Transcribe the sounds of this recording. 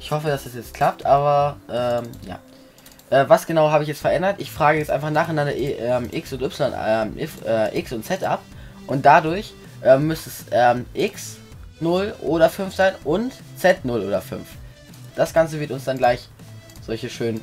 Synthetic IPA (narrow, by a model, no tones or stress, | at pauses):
ʔɪçhɔfəd̥asd̥asjɛt͡st̚kʰl̥ap̚tʔaːβɐʔɛːmja̰ː | ʔɛːvasɡ̥ənaʊɦaːbəɪçjɛt͡stfɛɐʔɛndɐtʔɪçfʁ̥aːɡəjɛt͡sʔaɪnfaχnaːχanandɐʔʔɛːmʔɪksʊntʔʏpsɪlɔnɛmʔɪfʔɛːʔɪksʊntt͡sɛtʔa̰p̚ | ʔʊnt̚d̥adʊɐç | ʔɛːmːʏstɛsʔɛːmʔɪks | nʊlʔoːɾɐfʏnfz̥aɪnʔʊnt | t͡sɛtnʊlʔoːdɐfʏ̰nf | d̥asɡ̥ant͡səvɪɐtʊnsd̥anɡlaɪç | z̥ɔlçəʃøːn